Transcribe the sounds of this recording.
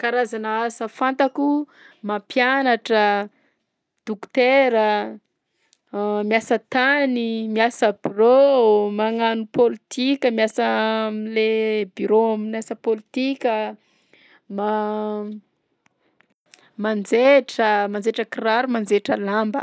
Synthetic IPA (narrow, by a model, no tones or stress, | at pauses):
kaɾazanaasəfant̪aku | mampjanaʈ͡ʂə | d̪̥ukt̪eɾə | miasət̪animiasəb̥iromaŋanupolit̪ikʲəmiasəmlebiɾoaminasəpolit̪ikʲə | ma | mand͡zeʈ͡ʂəmand͡zeʈ͡ʂəkiɾaɾumand͡zeʈ͡ʂəlambə̰